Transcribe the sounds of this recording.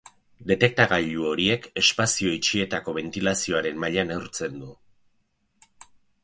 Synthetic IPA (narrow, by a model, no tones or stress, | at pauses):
d̪e̞t̪e̞k̚t̪aɣaʎuo̞ɾie̞ke̞spasio̞it͡ʃie̞t̪ako̞βe̞nt̪ilasio̞aɾe̞mmaʎanewɾt͡se̞nd̪u